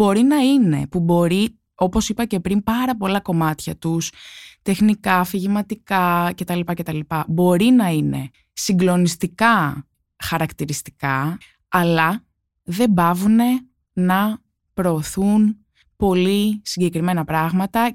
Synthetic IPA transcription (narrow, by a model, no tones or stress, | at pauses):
bo̞ɾinɐine̞̰pubo̞ɾi | o̞po̞sipɐce̞pɾimpɐɾɐpo̞lɐko̞mɐt̪çɐt̪ust̪e̞xnikɐːfiʝimɐt̪ikɐce̞t̪ɐlipɐce̞t̪ɐlipɐbo̞ɾinɐine̞̰ | siŋɡlo̞nist̪ikɐ | xɐɾɐkt̪iɾist̪i̥kɐ | ɐlɐ | ðe̞bɐvune̞ | nɐ | pɾo̞ːθun | po̞lisiɲɟe̞kɾime̞nɐpɾɐɣmɐt̪ɐ